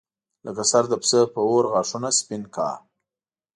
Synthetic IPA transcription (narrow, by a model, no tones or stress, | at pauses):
ləkasaɾd̪əpsəpəoɾɣɑʂunaspɪnkɑ̰ː